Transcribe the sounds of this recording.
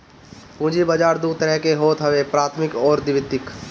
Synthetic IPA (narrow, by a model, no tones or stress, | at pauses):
pũːd͡ʒibəd͡ʒaːɾd̪ut̪ːɾɛɦkeɦoːt̪ɦəʋepɾaːt̪ʰmɪkɔːɾd̪ɪʋɪt̪ːɪk